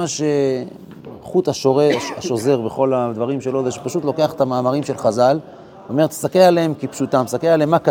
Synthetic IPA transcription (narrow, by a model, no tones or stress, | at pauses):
aʃe | χutaʃoʁeaʃo̞ze̞ʁbeχo̞lad̪vaʁimʃelo̞zeʃe̥paʃut̪lo̞ke̞aχe̥tamaːmaʁimʃe̞lχazal | ome̞ʁet̪sakealeemkipʃutamsakealeemːaka